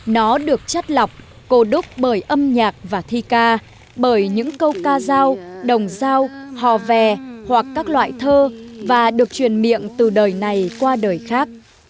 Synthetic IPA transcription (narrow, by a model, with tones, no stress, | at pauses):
nɔ˨˦ɗɨ˨˩ək̚t͡ɕə˦˥t̚lə˨˩wk͡p̚ | ko˧ɗʊ˦˥k͡p̚ɓəː˧˩jʔə˧mɲaː˨˩k̚vaː˨˩t̪ʰi˧kaː˧ | ɓəː˧˩jɲɨ̰˧˥ŋkə˧wkaː˧zaː˧wɗə˨˩wŋ͡mzaː˧whɔ˨˩vɛ˨˩hwa˨˩kːaː˦˥k̚lwa̰ː˧˨jt̪ʰəː˧vaː˨˩ɗɨ˨˩ək̚t͡ɕwi˨˩ənmḭ˧˨əŋt̪ɨ˨˩ɗəː˨˩jna˨˩jkwaː˧ɗəː˨˩jxaː˦˥k̚